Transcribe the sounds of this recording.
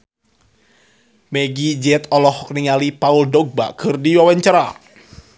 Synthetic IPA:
mɛɡid͡ʒɛt̪ɔlɔhɔk̚niŋalipauldɔɡ̚ba̰kʰɨrdiwawaɲt͡ʃaɾa̰

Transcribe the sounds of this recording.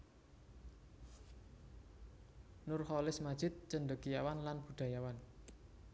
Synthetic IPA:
nʊrhɔlɪsmad̥ʒ̥ɪt̪̚t͡ʃənɖəkijawanlanb̥ṳɖ̪̥a̤jawan

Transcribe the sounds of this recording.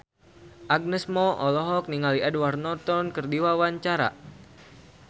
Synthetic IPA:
ʔaɡ̚nəsmɔʔɔlɔɦɔk̚niŋaliɛdwarnɔt̪ɔnkɨrdiwawaɲt͡ʃaɾa̰

